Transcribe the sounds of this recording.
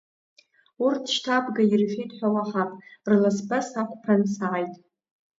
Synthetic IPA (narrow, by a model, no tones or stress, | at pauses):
urtʰʃtʰabɡairfejtʼħʷᶣawaħapʼrlasbasakʷʼpʰansaʕajtʼ